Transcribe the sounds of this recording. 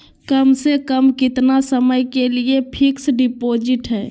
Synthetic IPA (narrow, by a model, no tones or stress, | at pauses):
kəmsekəmkɪt̪nasəməjkeliepʰiksɖipod͡ʒɪʈɦɛː